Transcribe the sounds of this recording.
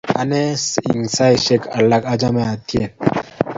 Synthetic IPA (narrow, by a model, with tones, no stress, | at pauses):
a˨nɛ˦si˨ŋsa˦jʃɛ˦ka˨lːa˦ka˦d͡ʒa˦mɛ˦a˨t̪i˦e˨n